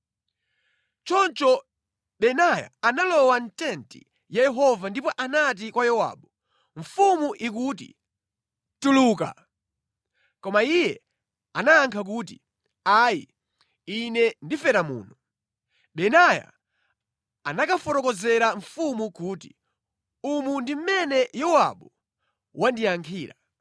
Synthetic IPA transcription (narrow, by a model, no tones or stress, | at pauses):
t͡ʃɔnt͡ʃɔ | ɓɛnaja̰ːnalɔwantɛntḭ | jajɛɦɔvandipɔʔanat̬ikwajɔwa̰ːɓu | ɱ̩fumuʔik̬uːt̬ḭ | tuluːka̰ | kɔmaijɛ | anaːŋkʰak̬uːti | aḭ | inɛndifɛɾamṵːnu | ɓɛnaja̰ | nakafɔtɔkɔzɛɾaɱfumukuːti | umundim̩mɛnɛjɔwa̰ɓu | wʔandijaŋkʰiːɾa